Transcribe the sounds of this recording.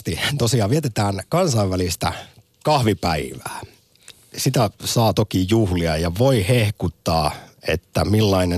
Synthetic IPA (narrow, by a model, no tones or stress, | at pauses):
t̪it̪osiɑːʋiet̪et̪æːnkɑnsɑiʋʋælist̪æ̰ | kɑhʋipæiʋæ̰ː | sit̪æsɑːt̪okijuhliɑjɑʋoihehkut̪ːɑːḛt̪ːæmilːɑine